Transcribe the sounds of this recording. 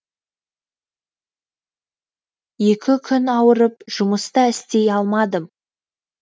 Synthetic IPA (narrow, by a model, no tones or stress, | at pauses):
je̞kʲɪkʲʰʏnɑwəɾəpʒ̥ʊməst̪ɑɪst̪e̞jɑlˠmɑd̪əm